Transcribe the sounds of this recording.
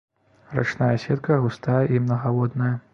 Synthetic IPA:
ra̰t͡ʂnajɐsʲɛt̪̚kɐɣust̪ajɐʔimnɐɣalɔd̪nɐjɐ

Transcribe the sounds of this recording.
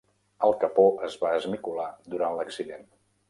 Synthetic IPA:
əlˠkəpoʔəzβaəzmikulad̪uɾanləksiðen

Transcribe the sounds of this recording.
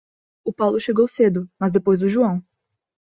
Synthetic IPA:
ʊpawlʊʃeɡowsed̪ʊmɐzd̪epojzʊʒuɐ̃w̃

